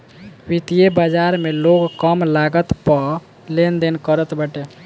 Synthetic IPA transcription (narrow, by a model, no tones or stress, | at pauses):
ʋit̪ijebəd͡ʒaɾmeloɡkəmlaɡət̪pə | lend̪enkəɾət̪bəʈe